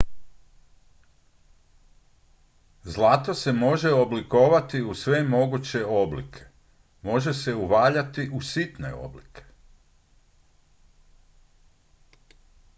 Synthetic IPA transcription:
zlˠat̪ose̞mo̞ʒe̞obliko̞ːʋat̪iusʋe̞mo̞ɡut͡ɕe̞o̞blḭkʰe̞̥ | mo̞ʒe̞se̞uʋaːʎat̪iʔusit̪ne̞̰o̞̰blḭkʰe̞̥

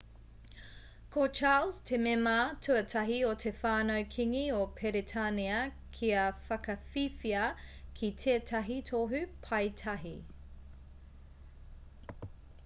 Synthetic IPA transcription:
kʰot͡ʃaːlz̥tʰemematʰʉɐtʰɐɦiotʰefaːnoɥkʰiŋiopʰeɾetʰaniɐ | kʰiɐfɐkɐfifiɐkʰitʰeːtʰɐɦitʰoɦʉpʰɐjtʰɐɦi

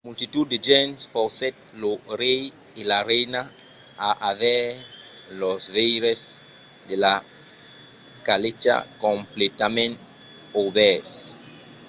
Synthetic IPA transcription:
mult̪it̪ud̪̚d̪ed͡ʒɛnsfɔɾset̪̚loɾej | elarɛjna | aʔavɛ | losvejɾes | d̪ela | kalet͡ʃa̰kõmplet̪amẽnt̪ | oβɛɾs

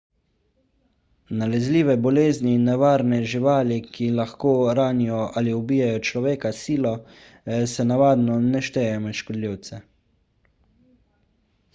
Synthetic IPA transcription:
nalɛzliːʋɛbɔleːzniːnːɛʋaːɾnɛʒiʋaːlikilaxkoːɾaːnijɔʔaliubiːjajɔt͡ʃlɔʋeːkasiːlɔ | sɛnaʋaːd̪nɔnɛʃt̪ɛjɛɔmɛʃkɔd̪liwt̪sɛ

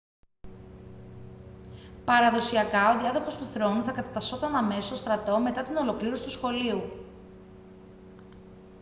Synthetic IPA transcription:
pɐɾɐðo̞siɐkɐo̞ðiɐðoxo̞st̪uθɾo̞nuθɐkɐt̪ɐt̪ɐso̞t̪ɐnɐme̞sost̪o̞st̪ɾɐt̪o̞me̞t̪ɐt̪ino̞lo̞kliɾo̞si̥t̪usxo̞liu

